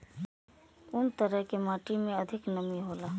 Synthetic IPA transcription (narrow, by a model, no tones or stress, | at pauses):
ʊnt̪əɾəɦkemaːʈimẽɐd̪ʱɪknəmiɦoːlaː